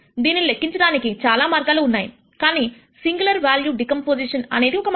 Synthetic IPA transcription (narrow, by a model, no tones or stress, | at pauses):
d̪iːnːile̞kːiɲt͡ʃɐɽaːnikit͡ʃaːlaːmaːɾɡaːluːnːaːjḭ | kaːniː | siŋɡulɐɾʋjaːljuːɖikɐmpoːd͡ʒiʂɐnɐ̰neːd̪iɔkɐm